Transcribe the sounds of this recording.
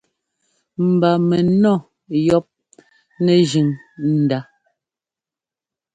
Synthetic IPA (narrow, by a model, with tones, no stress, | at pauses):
m̩˨ba˨mɛ˨nɔ˦˨ | jɔ˦p̚ | nɛ˨ʒi˨ŋn̩˨da˦